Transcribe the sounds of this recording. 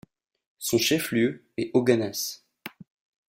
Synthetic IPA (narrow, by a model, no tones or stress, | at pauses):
sɔ̃ʃɛfljø | ɛʔoɡanɛs